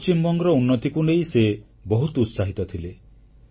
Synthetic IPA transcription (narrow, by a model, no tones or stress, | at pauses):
t͡ʃimbɔŋɡɔɾɔunːɔt̪ikunejse | bɔɦut̪ɔut̪saɦit̪ɔt̪ʰile